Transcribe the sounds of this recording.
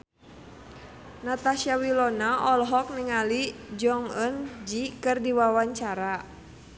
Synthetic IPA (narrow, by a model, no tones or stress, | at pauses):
nat̪aʃiawilɔnaʔɔlɦɔk̚niŋalid͡ʒɔŋənd͡ʒikɨrdiwawaɲt͡ʃaɾa